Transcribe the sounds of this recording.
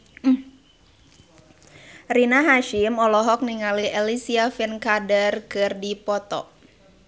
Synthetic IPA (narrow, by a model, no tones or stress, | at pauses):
rinaɦaʃimɔlɔɦɔk̚niŋaliɛlisiafɛnkadərkɨrdipɔt̪ɔ̰